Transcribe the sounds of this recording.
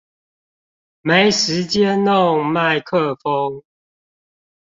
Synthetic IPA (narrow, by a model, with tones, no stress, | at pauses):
me˨˦ɪʂɻ̩˨˦t͡ɕjɛ˦no˥˨ŋma˥˨ɪkʰə˥˨fo˦ŋ